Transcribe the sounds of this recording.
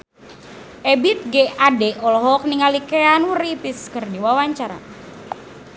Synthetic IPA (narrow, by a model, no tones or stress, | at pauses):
ʔɛbit̪̚ɡeadɛʔɔlɔɦɔk̚niŋalikɛanuripiskərdiwawaɲt͡ʃaɾa̰